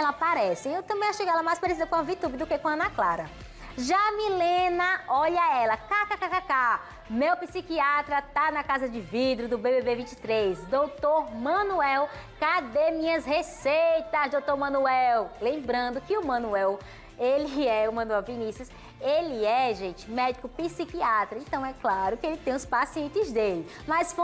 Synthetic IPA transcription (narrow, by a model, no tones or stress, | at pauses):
ɛlɐapaɾɛsɪewt̪ɐ̃mbẽj̃aʃejkɛlɐmajspaɾesid̪ɐkõɐvit̪ubɪd̪ʊkekõɐnɐklaɾɐ | ʒamilẽnɐɔʎɐɛlɐkakakakaka | mewpisikiat̪ɾɐt̪anɐkazɐd͡ʒɪvid̪ɾʊd̪ʊbebebevĩt͡ʃɪ̥t̪ɾejsd̪owt̪oɾmɐ̃nuɛwkad̪emĩɲɐshesejt̪ɐzd̪owt̪oɾmɐ̃nuɛwlẽmbɾɐ̃nd̪ʊkɪʊmɐ̃nuɛw | elɪɛʊmɐ̃nuɛwvinisjus | elɪɛʒẽt͡ʃɪ̥mɛd͡ʒikʊpisikiat̪ɾɐẽt̪ɐ̃w̃ɛklaɾʊkɪelɪt̪ẽj̃ʊspasiẽnt͡ʃɪzd̪elɪ | mɐsf